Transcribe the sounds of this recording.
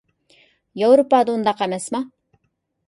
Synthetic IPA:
jɑwɾupɑːd̪əund̪ɑqɛmɛsmɑ

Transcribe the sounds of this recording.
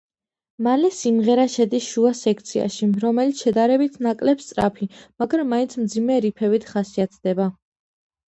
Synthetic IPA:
malɛsimʁɛɾaʃɛd̪isʃuasɛk̚ʰt̪sʰia̰ʃiɾɔmɛlit̪sʰʃɛd̪aɾɛbit̪ʰnakʼlɛpst̪sʼɾapʰimaɡɾamːaint̪sʰmd̪zimɛɾipʰɛvit̪ʰχasiat̪ʰd̪ɛba

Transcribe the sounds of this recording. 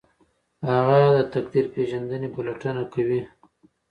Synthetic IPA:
haɣad̪ət̪akd̪iɾpeʒand̪ənebolaʈənakawi

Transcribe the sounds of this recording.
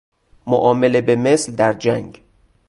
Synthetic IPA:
mo̰ʔɒːmelebemesld̪æɾd͡ʒæŋɡ

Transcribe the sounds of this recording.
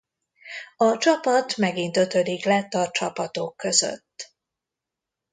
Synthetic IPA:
ɒt͡ʃɒpɒt̪mɛɡint̪ø̞t̪ø̞d̪iklɛt̪ːɒt͡ʃɒpɒt̪o̞kːø̞zø̰t̪ː

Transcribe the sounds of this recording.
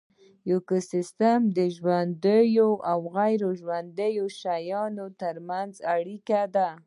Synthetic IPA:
jokʊsɪst̪amd̪əʒwand̪əjoʔawɣajɾoʒwand̪əjoʃajɑnot̪əɾmanzaɽikad̪a

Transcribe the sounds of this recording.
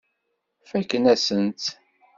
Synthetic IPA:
fækːnæsənt̪

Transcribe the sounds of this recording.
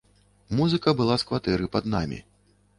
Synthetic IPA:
muzɨkɐbɨlˠaskvat̪ɛɾɨpɐd̪namʲḭ

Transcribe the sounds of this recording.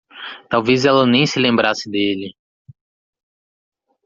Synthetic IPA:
t̪awvezɛlɐnẽj̃sɪlẽmbɾasɪd̪elɪ

